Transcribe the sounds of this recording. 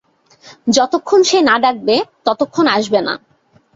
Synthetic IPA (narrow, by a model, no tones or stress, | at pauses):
d͡ʑɔt̪okʰːonʃenaɖak̚bet̪ɔt̪okʰːonaʃbena̰